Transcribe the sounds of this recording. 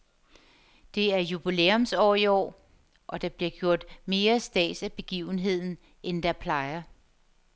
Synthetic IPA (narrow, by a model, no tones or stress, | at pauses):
d̥e̝æɐjub̥ileːomsɒ̰ːiɒ̰ː | ʔɒ̽d̥ɑ̈b̥liɐ̰ɡ̥jo̝ɐ̰d̥me̝ːɐsd̥ɛ̰ːsæb̥e̝ɡ̥ḭːʊn̩ɦe̝ð̞̰ˠn̩ | ʔend̥ɑ̈pʰlɑ̈ɪɐ